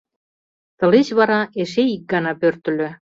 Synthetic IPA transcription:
t̪ɤ̆let͡ɕβɑɾɑeʃeik̚ɡɑnɑpørt̪ə̆lø

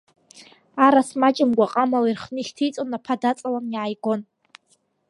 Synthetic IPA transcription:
aɾasmat͡ʃʼɪmɡʷaqʼamalirχnɨiχʲtʰijt͡sʼonapʰadat͡sʼalamjʕajɡʷo̞n

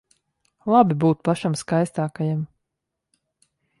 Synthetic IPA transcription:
lˠabibuːt̪̚paʃamskajst̪aːkajam

